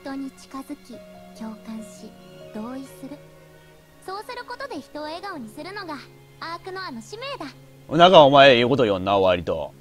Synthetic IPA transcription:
ç̥t̪o̞ɲ̟it͡ɕi̥kazɨkʲit͡ɕo̞ːkãɰ̃ɕid̪̥o̞ːisɨɾɯ̟ | so̞ːsɨɾɯ̟ko̞t̪o̞d̪e̞çi̥t̪o̞ːe̞ɡaoɲ̟isɨɾɯ̟no̞ɡa | aːkɯ̟no̞ano̞ɕime̞ːd̪a | ɯ̟nakaomaeiːko̞t̪ojõnːaβaɾʲit̪o̞̰

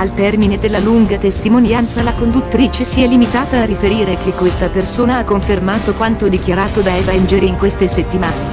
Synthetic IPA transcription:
alt̪ɛrmined̪elːaluŋɡat̪est̪imonjant̪salakond̪ut̪ːɾiːt͡ʃesiɛlimit̪aːt̪aːrifeɾiːɾekekːwest̪apersoːnaakːoɱfermaːt̪okwant̪od̪ikjaɾaːt̪od̪aɛvaɛnd͡ʒeɾiːŋkwest̪eset̪ːimaːne

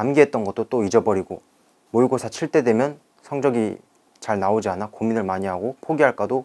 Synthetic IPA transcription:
amɡiɦe̞t̚t͈ʌnɡʌt̚t͈ot͈oid͡ʑʌbʌɾiɡo | moɭɡosʰat͡ɕʰiɭt͈e̞dwe̞mjʌn | sʰʌŋd͡ʑʌɡḭ | t͡ɕaɭnaod͡ʑianakominɯɭmaɲiɦaɡopʰoɡiɦaɭk͈ado

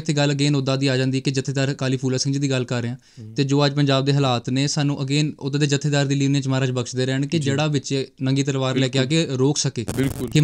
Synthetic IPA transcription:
t̪ʰːeːɡələɡeːnod̪aːd̪iːaːd͡ʒãːnd̪iɛkɪd͡ʒət̪ʰːeːd̪aːɾkaːliːpʰuːlaːsɪ̃ŋɡd͡ʒiːd̪iːɡəlkəɾːeːãː | t̪eːd͡ʒoːəd͡ʒpəɲd͡ʒaːb̚d̪eːɦəlaːt̪neːsaːnũːʔəɡeːnʊt̪ːd̪eːd͡ʒət̪ʰːeːd̪aːɾd̪iːliːnẽːt͡ʃmaːɾaːt͡ʃbəkʃd̪eːɾɛːɳkɪd͡ʒeːɽaːʋɪt͡ʃeːnəŋɡiːt̪̬əlʋaːɾlɛːkeːaːkeːɾoːksəkeːbɪlkʊkɪ

